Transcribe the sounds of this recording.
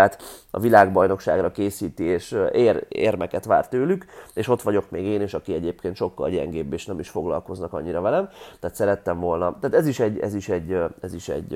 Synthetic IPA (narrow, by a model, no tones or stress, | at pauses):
aːt̪ɒ̰vilaːɡbɒjno̞kʃa̰ːɡrɒkeːsiːt̪ieːʃerḛːrmɛkɛt̪ʋa̰ːrt̪øːlykeːʃo̞t̪ʋɒɟo̞kmeːɡeːneːʃɒkiɛɟeːpkeːnt̪ʃo̞kːɒ̰lɟɛ̰ŋɡeːbːeːʃnɛmiʃfo̞ɡlɒ̰lko̞znɒkɒ̰ɲːiɾɒvɛlɛmt̪ɛːt̪sɛɾɛt̪ːɛɱvo̞lnɒt̪aːt̪ɛziʃɛɟːɛ̰ziʃɛɟːɛziʃɛ̰ɟ